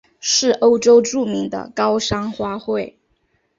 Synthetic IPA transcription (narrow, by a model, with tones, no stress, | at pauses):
ʂɻ̩˥˩ʔo˥ʊʈ͡ʂo˥ʊʈ͡ʂu˥˩mi˧˥ŋd̪ə̰˧kɑ˥ʊʂɑ˥ŋxwa˥xwe˥˩ɪ